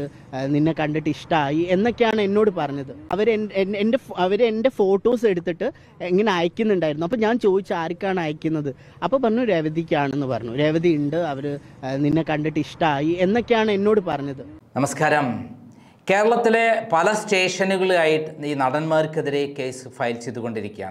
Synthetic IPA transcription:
ɨ | ninːe̞kɐɳɖiʈːɨiʂʈɐaːjie̞nːo̞kːejaːɳɨe̞nːo̞ːɽɨpɐrɐɲːɐðɨɐʋɐɾenende̞ɐʋɐɾende̞fo̞ːʈːo̞ːs̬e̞ɽut̪ːiʈːɨ | eŋːɐne̞aːjɐkʲːunːuɳɖaːjiɾnuɐpːoːɲaːnt͡ɕo̞ːðit͡ɕːɨaːɾikʲːaːɳaːjɐkʲːunːɐðɨ | ɐpːo̞ːpɐrɐɲːuɾeʋɐðikʲːaːɳenːɨpɐ̰rɐɲːuɾeʋɐðiiɳɖɨɐʋɐɾɨninːekɐɳɖiʈːɨiʂʈaːjie̞nːo̞kːejaːɳɨe̞nːo̞ːɽɨpɐrɐɲːɐðɨnɐmɐskaːɾɐm | ke̞ːɾɐɭɐt̪ːile̞pɐlɐsʈeːʂɐnuɣɐɭaːjiʈːɨiːnɐɽɐnmaːɾkeðiɾe̞ke̞ːsɨfɐjlt͡ɕejt̪ːuɣo̞ɳɖiɾikʲːa̰ːm

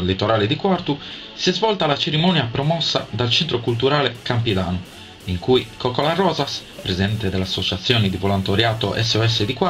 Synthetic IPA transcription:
lit̪ːɔɾaːled̪ikwart̪u | siɛzvɔlt̪alat͡ʃeɾimɔnjapɾɔmɔsːa̰d̪alt͡ʃɛnt̪ɾokult̪uɾaːlekampid̪aːnu | iŋkuikɔkɔlarɔːzas | pɾezid̪ɛnt̪ed̪ɛleasːot͡ʃat̪sːjɔːnid̪ivɔlɔnt̪oɾjaːt̪ɔʔɛ̰sːeɔɛs̬ːed̪ikwa

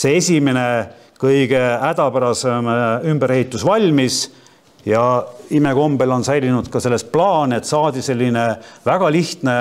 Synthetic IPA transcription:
se̞esʲime̞ne̞ | kɤjɡ̥e̞æd̪̥ɑpæɾɑsemymbeɾhe̞it̪ːˑusvɑlʲmis | jɑime̞ko̞mb̥e̞lo̞nsæjlʲinud̪̥kɑse̞lːe̞splɑːne̞t̪ːsɑːd̪̥ʲise̞lʲːine̞væɡ̥ɑliht̪ne̞

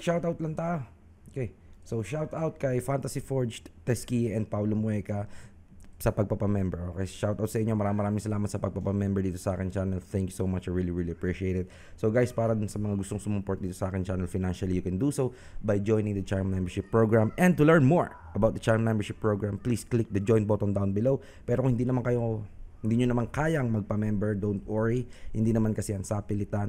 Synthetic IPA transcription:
ʃawt̪awt̪lɐnt̪aːʔo | okejsowʃawt̪awt̪̚kɐjfant̪ɐsifoɹd͡ʒt̪ɛskiɛnd̪̚pawlomʊɛkɐ | sɐpɐɡ̚pɐpɐmɛmbɛʔokɛjʃawt̪awt̪sɐʔɪɲo̞mɐɾaːmɪ̃mɐɾaːmɪŋsɐlaːmɐt̪sɐpɐɡ̚pɐpɐmɛmbɛɹd̪iːt̪osɐʔaːkɛnt͡ʃanɛlθɛ̃ŋkjusowmɐt͡ʃɐɹɹiliɹiliɐpɹiʃɪejt̪ɛd̪̚ | soɡajspaːɾɐd̪ʊnsɐmɐŋaɡʊst̪oŋsʊmʊpoɹt̪̚d̪iːt̪osɐʔaːkɛnt͡ʃanɛlfaɪjnanʃɐlijʊkɛnd̪uso | bɐjd͡ʒojnɪ̃ŋd̪ɐt͡ʃaɹmnɛ̃mbɛɹʃɪpːɹoɡɹamʔɛ̃nd̪̚t̪ʊlɛɹnmoɹ | ʔɐbawt̪̚d̪ɐt͡ʃaɹmmɛ̃mbɛɹʃɪpːɹoɡɹampliːsklɪk̚d̪ɐd͡ʒoj̃nt̪̚bot̪ond̪awnbɪlow | pɛːɾohɪ̃nd̪iːnɐmankɐjohɪnd̪iɲonɐmankaːjɐŋmɐɡ̚pɐmɛmbɛɹd̪ownt̪ʔoɹihɪnd̪inɐmankɐsɛɐŋsapɪlɪt̪an

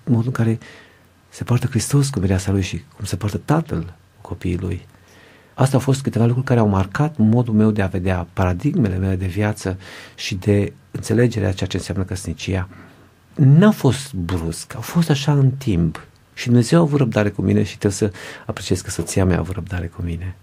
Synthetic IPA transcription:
mo̞d̪uɨŋkaɾe̞ | sepoart̪əkɾist̪o̞s̬kumiɾeasalujʃikʰumsepoart̪ət̪at̪əl | kʰo̞piːlṵj | ast̪awfo̞s̬t̪kɨt̪e̞valukɾuɾʲkaɾeawmarkat̪mo̞d̪ulme̞wd̪e̞ave̞d̪eapaɾad̪iɡme̞le̞me̞le̞d̪e̞vijat̪səʃid̪e̞ | ɨnt̪se̞le̞d͡ʒe̞ɾḛa̰t͡ʃeat͡ʃeɨnseamnəkəsnit͡ʃija | nafo̞st̪bɾuskawfo̞st̪aʃaɨnt̪imp | ʃid̪umne̞ze̞wavuɾəb̚d̪aɾe̞kumḭne̞ʃi̥t̪ɾewsəapɾet͡ʃieskəsot̪siameja̰vuɾəb̚d̪aɾe̞kumine̞

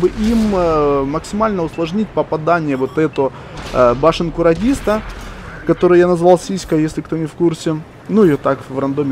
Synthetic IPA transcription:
bɨʔimməksʲɪmalʲnəʊslˠɐʐnʲitʲpəpɐd̪anʲɪjəvot̪ɛt̪ə | baʂɨnkʊɾɐdʲist̪əkɐt̪o̞ɾɨjanɐzvalˠsʲisʲkəjesʲlʲɪkt̪o̞nʲɪfkursʲɪ | nuɪjot̪akvrɐnd̪omʲɪ

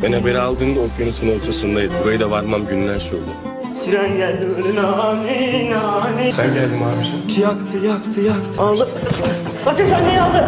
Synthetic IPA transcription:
benhabeɾialˠd̪ɯːnd̪aopʰjonunsɯnɯot͡ʃʰasɯnd̪ajid̪buɾajɯd̪avaɾmamɟynlæɾʃolʲˠu | siɾænɟælʲd̪ibølynaninanibænɟælʲd̪imaːɾuʃɯcʰijakt̪ʰɯjakt̪ʰɯjakt̪ʰɯalˠd̪ɯ | kʰat͡ʃaʃanːejalˠd̪ɯ

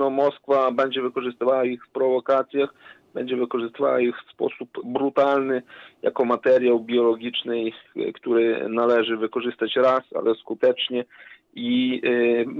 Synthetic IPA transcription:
nɔmɔskfabɛɲd͡ʑɛvɘkɔʐɨst̪ɘvawaixfpɾɔvɔkat̪sʲjax | b̥ɛɲd͡ʑɛvɘkɔʐɘst̪ɘva̰waixfspɔ̰supbɾut̪alnɘja̰kɔmat̪ɛɾʲjawbʲjɔlɔɡʲit͡ʂnɘjkt̪uɾɘnalɛʐɘvɘkɔʐɘst̪at͡ɕɾasa̰lʔɛskut̪ɛt͡ʂɲɛ | i

